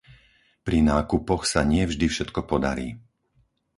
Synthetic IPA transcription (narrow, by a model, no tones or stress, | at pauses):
pɾinaːkupɔxsaɲɪɛvʒd̪ifʃɛt̪kɔpɔd̪a̰ɾḭː